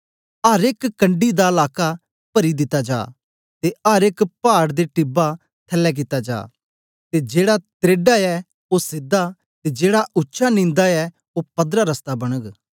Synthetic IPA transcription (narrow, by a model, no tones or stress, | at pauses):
ɐɾekːɐ̃ɳɖid̪aəlaːka | pɐɾid̪ɪt̪ːad͡ʒa̰ː | t̪eɐɾekpaːɽd̪eʈɪba | t̪ʰɐlːɛk̬ɪt̪ːad͡ʒa̰ː | t̪ed͡ʒeːɽat̪ɾeːɖaɛ | osɪd̪a | t̪ed͡ʒeːɽaʔʊtːʃʰanɪ̃ːnd̪aɛ | opɐd̪ɾaɾɐst̪abɐɽ̃əɡ